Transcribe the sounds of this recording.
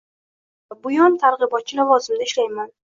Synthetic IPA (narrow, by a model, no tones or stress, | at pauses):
bʊjɒnt̪ʰaɾʁɨbɒt̪̚t͡ʃʰɪlavɒzɪmd̪aɪʃlajman